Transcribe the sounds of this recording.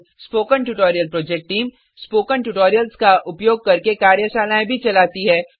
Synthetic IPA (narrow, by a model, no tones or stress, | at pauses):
spoːkəɳʈuʈɔːɾijəlpɾɔːd͡ʒɛk̚ʈʈiːm | spoːkəɳʈuʈoːɾijəlskaʔʊpjoːɡ̚kɐɾkekaːɾjəʃaːnaːẽbʱit͡ʃɐlaːt̪iɦɛː